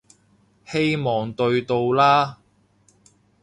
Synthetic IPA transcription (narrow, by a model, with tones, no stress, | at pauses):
he˥jmɔː˨ŋt̪ɵ˧ɥt̪o˧wlaː˥